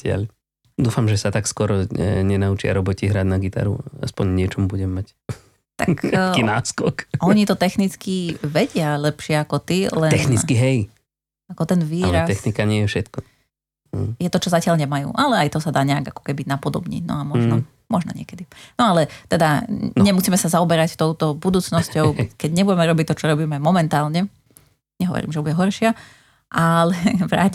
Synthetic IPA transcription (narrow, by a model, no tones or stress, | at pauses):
acɪa̰l | d̪uːfamʒɛsat̪akskʊɔɾɔɛ̰ɲɛnaut͡ʃɪa̰ɾɔbɔciɦɾaɟnaɡit̪a̰ɾṵa̰spɔɲɲɪɛt͡ʃɔmbuɟɛmːac | t̪akkinaːskɔkɔɲit̪ɔt̪ɛxnit͡skiʋɛɟɪalɛpʃɪɛakɔt̪ilɛɛxnikiɦɛj | akɔt̪ɛnʋiːlɾasɛxnikaɲɪɛjɛfʃɛt̪kɔ | jɛt̪ɔt͡ʃɔzacɪaʎɲɛmajṵːʔalɛajt̪ɔsad̪aːɲɛaɡakɔ̥kɛbinapɔd̪ɔ̰bɲḭːnɔ̰amɔʒnɔ | mɔʒnɔ̰ɲɪɛkɛd̪inɔalɛt̪ɛd̪aɲɛmusiːmɛsazaɔbɛɾact̪ɔʊt̪ɔbud̪uːt͡snɔscɔʊkɛɟɲɛbuɟɛmɛɾɔbic̚t̪ɔt͡ʃɔɾɔbiːmɛmɔmɛnt̪aːlɲɛ | ɲɛɦɔ̰ʋɔ̰ɾḭːmʒɛbuɟɛɦɔɾʃɪa | ʔalɛʋɾa̰ːc